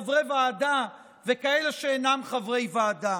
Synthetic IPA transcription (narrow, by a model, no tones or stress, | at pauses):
vʁevaːda | vekaeleʃeːnamχavʁe̞jvaːda